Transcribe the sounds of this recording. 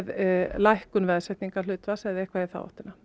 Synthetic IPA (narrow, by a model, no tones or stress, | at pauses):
ðlajhkʏnvɛðsɛht̪niŋkalʏːt̪vasɛðɛhkvaɛθa̰wɔ̰ht̪ɪna